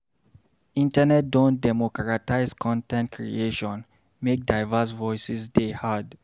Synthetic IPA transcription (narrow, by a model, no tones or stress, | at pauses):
ĩntənɛt̚dõndɛmɔkɹataɪskʰɔ̃ntɛ̃ntkʰɹḭeʃɔ̃n | mek̚daɪvas̬vɔɪsisdehad